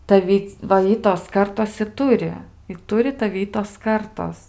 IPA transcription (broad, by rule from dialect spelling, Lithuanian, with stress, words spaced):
tɐˈʋʲɪ ʋɐ ˈɪtoːs ˈkɐrtoːs ɪ ˈtʊrʲɪ ɪ ˈtʊrʲɪ tɐˈʋʲɪ ˈɪtoːs ˈkɐrtoːs